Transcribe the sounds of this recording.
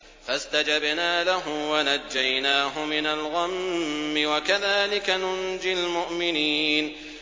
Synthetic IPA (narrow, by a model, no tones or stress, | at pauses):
fast̪ad͡ʒabnaːlaɦʊwanad͡ʒːajnaːɦʊmɪnalɣamːɪwakaðaːlɪkanʊnd͡ʒɪlmʊʔmɪniːn